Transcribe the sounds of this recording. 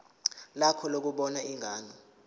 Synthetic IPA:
lakʰɔlok̬uɓɔnaiŋʱaːnɔ

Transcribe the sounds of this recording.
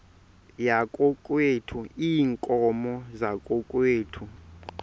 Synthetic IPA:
jakʼɔkʼwetʰuiːŋkʼɔmɔzakʼɔkʼweːtʰu

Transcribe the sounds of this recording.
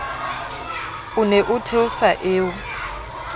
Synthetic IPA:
uneʔʊtʰeʊsaʔeːʊ

